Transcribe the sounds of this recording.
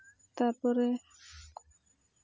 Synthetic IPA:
t̪aɾpɔɾɛ

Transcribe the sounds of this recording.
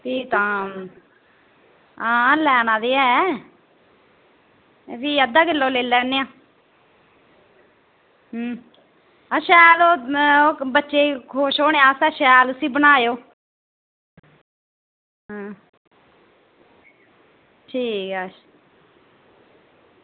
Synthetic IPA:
t̪iːt̪ãː | ãːlɛːnãːd̪eːɛː | ʋiːəd̪ãːɡɪlːõːleːlɛːneːãː | əʃɛːloːoːbətːʃeːkʰoːʃoːnejãːsɛːʃɛːlʊsiːbənaːjoː | ɦãː | ʈʰiːkɛː

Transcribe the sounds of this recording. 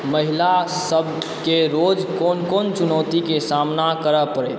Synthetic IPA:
məɦilasəbʱ | keɾoːd͡ʒkoːnkoːnt͡ʃʊnɔːt̪ikesaːmnakəɾəpəɾḛːt̪

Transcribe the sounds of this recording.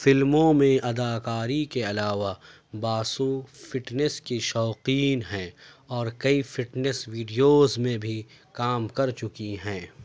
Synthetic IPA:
fɪlmõmẽʔɐd̪aːkaːɾikeɐlaːʋa | baːsũfɪʈnɛskiʃɔːqiːnɦɛ̃ː | ɔːɾkɐifɪʈnɛswiːɖijoːzmẽbʱi | kaːmkɐɾt͡ʃʊkiɦɛ̃ː

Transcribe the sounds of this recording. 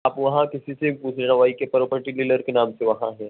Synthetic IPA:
apʋɐɦãkisiseput͡sʰenaʋajikepəɾopəʈililəɾkenamt͡seʋəɦãɦe

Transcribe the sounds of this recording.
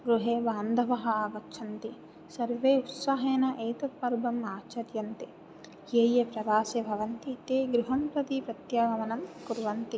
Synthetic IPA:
ɡɾuɦeːʋaːnd̪ʱɐʋɐɦɐ̆aːɡɐtt͡ʃʰɐnt̪i | sɐɾʋeːut̪sɐɦeːnɐʔejt̪ɐt̪̚pɐɾbʱɐmaːt͡ʃɐɾjɐnt̪i | eːjepɾɐʋaːseːbʱɐʋɐnt̪it̪eːɡɾuɦɐmpɾɐt̪ipɾɐt̪jaːɡɐmɐnɐmkuɾʋɐnt̪i

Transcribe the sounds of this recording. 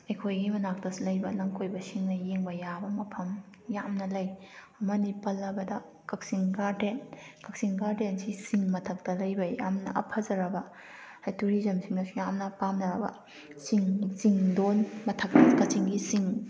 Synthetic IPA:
ɐjkʰojɡimɐnak̚tɐslɐjbɐlɐŋkʰojbɐsiŋnɐjeŋbɐjabɐmɐpʰɐm | jamnɐlɐj | mɐnipɐlːɐbɐdɐ | kɐk̚siŋkaɾdenkɐk̚siŋkaɾdensisiŋmɐtʰɐk̚tɐlɐjbɐja̰mnɐ̰ʔɐpʰɐzɐɾɐbɐ | hajtuɾizɐmsiŋnɐsujamnɐpamnɐɾɐbɐ̰ | siŋsiŋdonmɐtʰɐk̚tɐkɐt͡ʃiŋɡisiŋ

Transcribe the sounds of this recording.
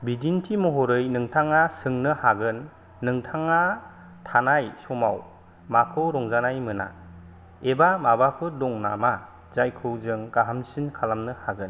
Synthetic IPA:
bidintʰimɔɦɔɾɯjnɯŋtʰaŋasɯŋnɯhaɡɯnː | ɯŋtʰaŋa | tʰanajsɔmaw | makʰɯwɾɔŋzanajmɯna̰ | ebamabapʰɯdɔŋnama | z̥ajkʰɯwzɯŋɡaɦamsinkʰalamnɯhaɡɯn

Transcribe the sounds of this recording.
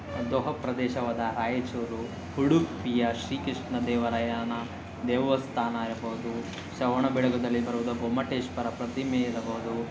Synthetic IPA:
d̪oɦɐpɾɐd̪ɛːʃɐʋɐd̪ɐɾaːjet͡ʃoːɾu | huɽupijɐʃɾiːkɾiʂɳɐd̪ɛːʋɐɾɐjaːnɐ | d̪ɛːʋɐst̪ʰaːnaiɾbɐɦud̪u | ʃɐʋɐɳɐbɛɭɐɡɐd̪ɐlːibɐɾuʋud̪ɐɡomɐʈeːʃpɐɾɐpɾɐt̪imeiɾɐbɐɦud̪u

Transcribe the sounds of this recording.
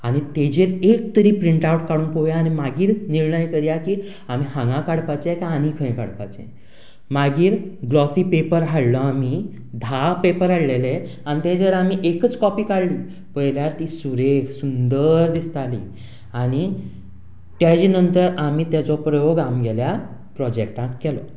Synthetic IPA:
aɽ̃it̪ed͡ʑeɾek̚t̪əɾiːpɾiɳʈauʈkaɽuːnpoʋjaːñimaɡiːɾniɾɳəjkəɾjakiː | am̤iːhãŋɡãkaɽpat͡ɕɛkaañikʰə̃j̃ka̰ɽpa̰t͡ɕɛ̰ | maɡiːɾɡlɔsiːpepəɾɦaɽlɔam̤i | d̪ʱapepəɾaɽleleanit̪ẽd͡zəɾamiʔekət͡skɔpiːkaɽliː | pəjljaɾt̪iːsuɾeksund̪əɾd̪ist̪alḭː | añi | t̪jad͡ʑiːnənt̪əɾamiːt̪jat͡sɔpɾəjoɡamɡɛlja | pɾɔd͡ʑekʈãk̪kːɛlɔ

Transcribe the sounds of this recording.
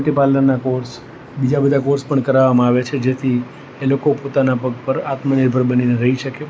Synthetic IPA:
ʈipalənnakoɾs | bid͡ʒabəd̪ʱakoɾspəɳkəɾaʋamãaʋet͡ʃʰed͡ʒet̪ʰi | elokopot̪anapəɡ̚pəɾat̪məniɾbʱəɾbənineɾəɦiʃəke

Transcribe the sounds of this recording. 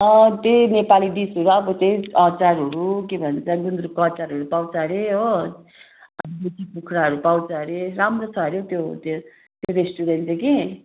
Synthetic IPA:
ʌt̪enepalid̪isoɾuʌbʌt̪eʌt͡saɾɦʌɾukibʱʌnt͡sʰʌɡund̪ɾukʌt͡saɾɦʌɾupaw̃t͡sʌɾeɦo | ʌbuʈipukʰɾaɦʌɾupaw̃t͡sʰʌɦɾeɾamrot͡sʰʌɾjot̪jot̪ | t̪oɾesʈuɾenʈeki

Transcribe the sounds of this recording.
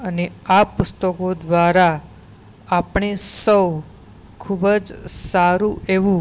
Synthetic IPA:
əneapʊst̪əkod̪ʋaɾa | apɳ̃isəw | kʰubəd͡ʒsaɾuʔeʋũ

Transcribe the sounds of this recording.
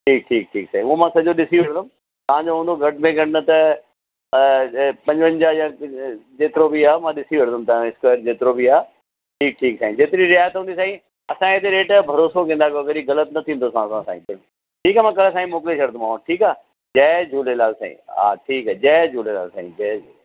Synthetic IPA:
ʈʰiːk̚ʈʰiːk̚ʈʰiːksaːĩuomãsɐd͡ʑoɗɪsiʋeɽd̪ʊ̃m | t̪ɐʋ̤ãːɲd͡ʑoɦũːnd̪oɡʱɐʈmẽɡʱɐʈʰnɐt̪ɐ | pɐ̃ɲd͡ʑʋə̃ɲd͡ʑaːjãd͡ʑeːt̪ɪɾobʱiaːmãːɗɪsiʋeɽd̪ʊmt̪ɐɪskaːɾd͡ʑeːt̪ɪɾobʱiaː | ʈʰiːk̚ʈʰiːksãːĩd͡ʑeːt̪ɪɾiɾɪjaːjət̪ɦũːnd̪isãːĩ | ɐsãet̪eɾeːʈbʱɐɾoːsokẽnd̪akoɐɡəɾiɣɐlət̪nɐt̪ʰĩːnd̪osãsãsã̰ːĩbɪ | ʈʰiːkaːmãːkɐlsaːĩmoːk̬ɪleʃʰɐɽd̪ʊmãːʈʰiːkaː | d͡ʑɛːd͡ʑʱuːlelaːlsa̰ːḭ̃a̰ːʈʰiːkaːd͡ʑɛːd͡ʑʱuːlela̰ːsa̰ːḭ̃d͡ʑɛ

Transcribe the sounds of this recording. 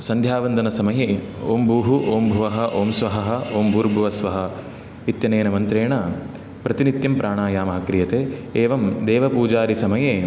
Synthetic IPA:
sɐnd̪ʱjaːʋɐnd̪ɐnɐsɐmɐjeː | oːmbuːɦuʔoːmbʱuʋɐɦɐ̆ʔoːmsʋɐɦɐɦɐ̆oːmbuːɾbʱuʋɐsʋɐɦɐ̆ | it̪jɐneːnɐmɐnt̪ɾeːɳɐ | pɾɐt̪init̪jɐmpɾʔaːɳaːjaːmɐɦɐkɾijɐt̪eːeːʋɐmd̪eːʋɐpuːd͡ʒaːɾisɐmɐjeː

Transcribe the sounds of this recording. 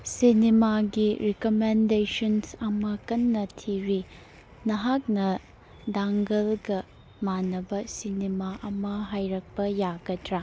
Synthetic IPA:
sinimaɡiɾikomendesɐnsɐmɐkɐnːɐtʰiɾi | nɐɦak̚nɐ | daŋɡɐlɡɐ | manːɐbɐsinimaʔɐmɐɦajɾɐk̚pɐjaɡɐdɾa

